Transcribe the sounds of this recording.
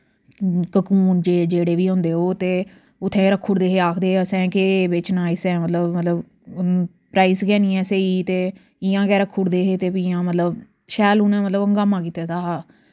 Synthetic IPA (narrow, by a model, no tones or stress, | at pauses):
kəkuːnd͡ʒeːd͡ʒeːɽeːʋiːɦõnd̪eːɦoːt̪eː | ʊt̪ʰːẽːɾəkʰːuːɽd̪eːɦeːaːkʰd̪eːəsɛ̃ːkebɪt͡ʃnãːɪsɛ̃ːmət̪ləbmət̪ləb | pɾaːiːskɛːnĩːɛ̃ːseːiːt̪eː | ɪːãːkɛːɾəkʰːuːɽd̪eːɦeːt̪eːpiːãːmət̪ləb | ʃɛːluːnɛ̃ːmət̪ləbəŋɡaːmãːkiːt̪eːt̪ʰaːaː